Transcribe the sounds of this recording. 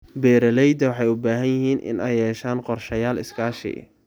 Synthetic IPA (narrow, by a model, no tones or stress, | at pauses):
bɛːɾɐlɛjd̪ɐwɑħɑjʊbaːɦɐnjɪɦiːnʔɪ̰nɛjɛːʃaːnqɔrʃɐjaːlɪ̰skʰaːʃɪ̰